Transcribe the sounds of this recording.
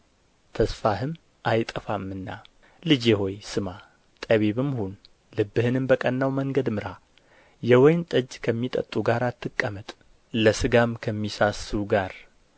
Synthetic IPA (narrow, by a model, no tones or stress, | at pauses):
t̪ʰəsfaɦɨm | ʔajt̪ʼəfamːɨnːa | lɨd͡ʒeho̞jsɨma | t̪ʼəβeβɨmhun | lɨbːɨhɨnɨmbəkʼənːawməŋɡəd̪mɨɾa | jɛwɔjnt̪ʼəd͡ʒkʰəmːit̪ʼə̰t̪ʼuɡaɾat̪ʰːɨkʼːəmət̪ʼ | ləsɨɡamkʰəmːisasɨuɡaɾ